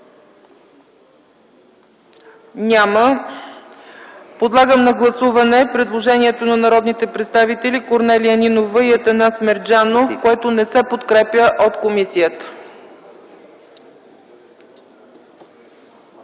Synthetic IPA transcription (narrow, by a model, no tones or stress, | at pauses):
nʲamə | pod̪lˠaɡəmnɐɡlˠɐsuvɐnɛpɾɛd̪lˠoʒɛniɛt̪onɐnɐɾɔd̪nit̪ɛpɾɛt̪st̪avit̪ɛlikoɾnɛliəninovəiɐt̪ɐnasmɛɾd͡ʒanokoɛt̪onɛsɛpot̪kɾɛpjəʔot̪komisijət̪ə̥